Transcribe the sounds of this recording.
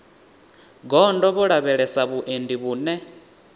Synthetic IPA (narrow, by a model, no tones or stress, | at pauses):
ɡɔndɔβuɺaβɛɺɛsaβuʔendiβuːnɛ